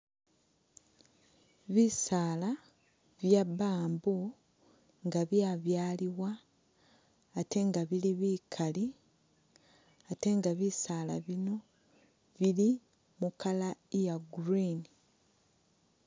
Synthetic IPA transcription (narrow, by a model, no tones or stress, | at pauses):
βisaːla | βjabaːmbu | ŋɡaβjaːβjaːliwa | te̞ŋɡaβiliβiːkʰali | ate̞ŋɡaβisaːla̰βino̞ | βili | mukalajaɡuɾini